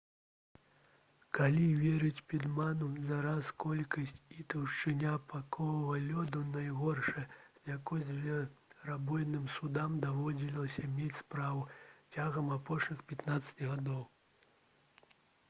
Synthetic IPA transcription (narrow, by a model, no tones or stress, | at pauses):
kalʲivʲɛɾɨt͡sʲpʲid̪manuzaɾaskɔlʲkɐsʲt͡sʲit̪ɐwʂt͡ʂɨnʲapakɔɐvɐlʲɔd̪ɐnajɣɔrʂɐzʲjakɔzʲvʲɛɾabɔjnɨmsud̪amd̪avɔd͡zʲilʲlˠɐsʲɐmʲet͡sʲspɾavut͡sʲaɣɐmapɔʂnʲixpʲat̪nat̪sːɐ̥t͡sʲɣad̪ɔw